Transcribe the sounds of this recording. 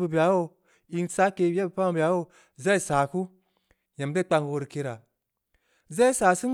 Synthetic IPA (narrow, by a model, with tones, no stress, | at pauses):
bu˨bi˨a˨˦wo˦ | i˧ŋt͡sa˦ke˧˦a˦bu˨pa˦ŋ˨bi˨a˨˦wo˦ | za˦i˦sa˨ku˦ | ja˨mde˦k͡pa˧ŋ˨wo˨˧ɾi˨ke˧ɾa˨ | za˦i˦sa˨si˦n